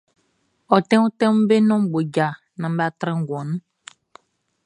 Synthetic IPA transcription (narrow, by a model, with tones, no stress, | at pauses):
ɔ˨t̪ɛ̃˦wũ˦tɛ̃˦mu˦be˦nɔ̃˦mɡ͡bo˨d͡ʒa˨ | nã˨m˦ba˦t̪ɾɛ̃˦ŋ˦ɡɔ̃˨nũ˦